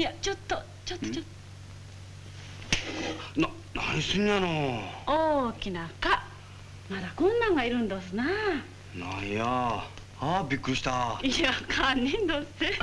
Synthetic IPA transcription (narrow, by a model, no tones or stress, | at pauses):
ijat͡ɕot̪ːo | t͡ɕot̪ːot͡ɕot | na | naisɨɲ̟ianooːkʲinaka | mad̪akõ̞nːãŋɡaiɾɯ̟̃nd̪os̬ɨna | nãja | abʲikːɯ̟ɾiɕi̥t̪aiakʰaɲʲːĩnd̪o̥se